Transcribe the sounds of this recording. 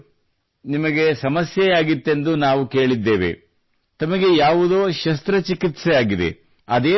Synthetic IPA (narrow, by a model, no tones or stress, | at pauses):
nimɐɡe̞sɐmɐsjɛjaːɡit̪ːe̞nd̪unaːʋuke̞ːɭid̪ːe̞ːʋḛ | t̪ɐmɐɡe̞jaːʋud̪oːʃɐst̪ɾɐt͡ʃikit̪sɛjaːɡid̪ḛ | ɐd̪eː